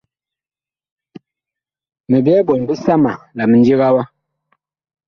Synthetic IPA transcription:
mə˨bɛ˦bɔ˨n˨bə˦sa˦ma˨la˨mə˨n̩˦d͡ʒi˦ɣa˦wa˦

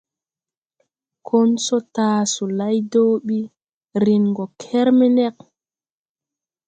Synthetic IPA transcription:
kʰo˦nsɔ˦taːsu˨la˦jdoː˦ɓi˦ | ɾi˨nɡɔ˨kʰɛ˦ɾmɛ˦nɛ˦k̚

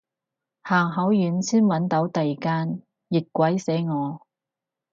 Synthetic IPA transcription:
haː˨˩ŋɦɐ˨˥wjyː˨˥nsiː˥nwɐ˨˥nt̪o˨˥wt̪ɐ˨jkaː˥n | jɪ˨t̚kːʷɐ˨˥jse˨˥jŋɔː˨˧

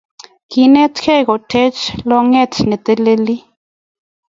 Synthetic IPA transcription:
ki˧ne˦t̪kʰe˦ɡo˨t̪ʰe˦t͡ʃlo˧ŋe˦t̪ne˨t̪e˦le˦li˦

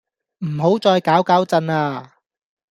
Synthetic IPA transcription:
m̩˨˩ɦo˨˥wt͡sɔː˧jkaː˨˥wkaː˨˥wt͡sɐ˧naː˧

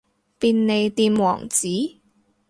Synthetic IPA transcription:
piː˧nne˨˧jt̪iː˧nwɔ̰ː˨˩ŋt͡siː˨˥

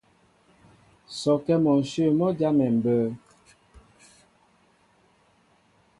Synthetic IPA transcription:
sɔ˨kɛ˦mɔ˨n̩˨ʃə˦˨mɔ˦d͡ʒja˦mɛ˨m̩˨bəː˦

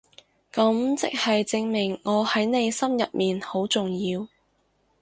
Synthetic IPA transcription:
kɐ˨˥mt͡sɪ̰˥k̚hɐ˨jt͡sɪ˧ŋmɪ˨˩ŋːɔː˨˧hɐ˨˥jne˨˧jsɐ˥mjɐ˨t̚miː˨nho˨˥wt͡sʊ˨ŋjiː˧w

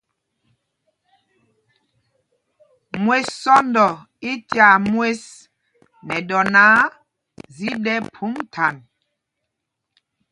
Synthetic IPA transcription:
mwe˦ssɔ˦ndɔ˨ | i˦tja˨mwe˦s | nɛ˨dɔ˨naː˨˦ | zi˦dɛ˦pʰu˨˦mtʰa˨n

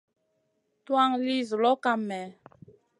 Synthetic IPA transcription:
twa˦˨ŋli˦zu˨lɔ˦ka˨mɛ˨

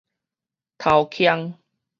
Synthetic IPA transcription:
t̪ʰa˨˩wkʰja˧ŋ

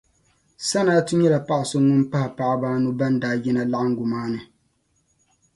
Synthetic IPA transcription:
sa˦naː˦tu˦ɲɛ˦la˨pa˦ʔɪ˨so˦ŋʊ˦mpa˦ha˨pa˦ʔa˦baː˦nu˦ba˦ndaː˦ji˦na˦la˦ʔa˦ŋ̩˦ɡʊ˨maː˦nɨ˨

